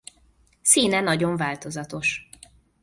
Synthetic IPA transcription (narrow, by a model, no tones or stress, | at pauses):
siːnɛnɒɟo̞ɱvaːlt̪o̞zɒt̪o̞ʃ